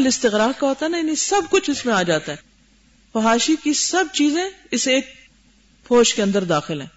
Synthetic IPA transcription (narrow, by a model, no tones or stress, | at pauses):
lɪst̪ɪɣɾaːɾkaɦoːt̪aɛnaɪnĩsɐbkʊt͡ʃʰɪsmẽaːd͡ʒaːt̪aɦɛː | fɐɦaːʃikisɐb̚t͡ʃiːzẽɪseeːk̚ | fʰoːʃkeɐ̃nd̪əɾd̪aːxɪlɦɛ̰̃ː